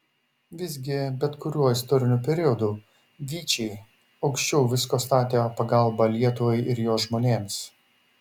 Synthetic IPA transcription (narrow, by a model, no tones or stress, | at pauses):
ʋʲɪzʲɡʲɪbʲɛt̪kʊɾʲuɔɪst̪ɔɾʲɪnʲuːpʲɛɾʲɪɔd̪uː | ʋʲiːt͡ʃʲɛɪ | ɐʊkʃʲt͡ʃʲɛʊʋʲɪskoːst̪ɑːt̪ʲeːpɐɡɐlˠbɐlʲiɛt̪ʊʋɔɪʔɪɾjoːsʒmoːnʲeːms